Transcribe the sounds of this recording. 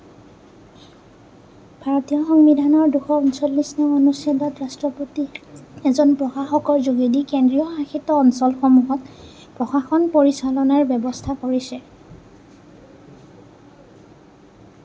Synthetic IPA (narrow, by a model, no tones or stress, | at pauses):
b̥ʱaɹɔtijɔxɔŋbidʱanɔɹduxɔunsɔlːisnɛɔnusjadɔtɹastɹɔpotiɛzɔnpɹɔxaxɔkɔɹzuɡidikendɹijɔxaxitːɔːnsɔlxɔmuɦɔt | pɹɔxaxɔnpoɹisalɔnaɹbɔbɔstʰakoɹisɛ